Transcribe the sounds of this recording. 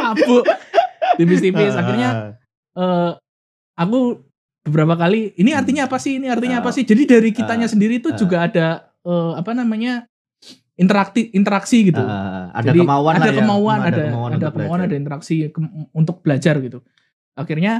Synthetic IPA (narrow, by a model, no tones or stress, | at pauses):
abʊ | t̪ifist̪ifɪsakirɲa | əː | aku | b̥əbəɾapakaliːniart̪iɲaːpasɪhiniart̪iɲaːpasɪhd͡ʒadidaɾikit̪aɲasəndiɾit̪ud͡ʒuɡaːda | əːapanamaɲa | int̪əɾak̚t̪ɪint̪əɾaksiɡit̪uadd͡ʒadimauaadakəmauanadaadakəmauanadaint̪əɾaksikəunt̪ʊk̚b̥əlad͡ʒarɡit̪u | akirɲa